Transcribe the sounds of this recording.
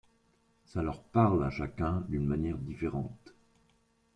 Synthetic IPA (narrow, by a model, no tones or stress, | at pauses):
salœʁpaʁlaʃakʲɛ̃d̪ynmanjɛʁd̪ifeʁɑ̃t̪